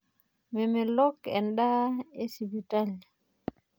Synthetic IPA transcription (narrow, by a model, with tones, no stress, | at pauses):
mɛ˨mɛ˨lɔ˦kɛ̰˨nɗa˦e˦si˨bi˨ta˦l